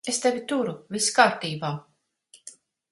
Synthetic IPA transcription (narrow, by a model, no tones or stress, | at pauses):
est̪evʲit̪uɾuvʲiskaːɾt̪iːbaː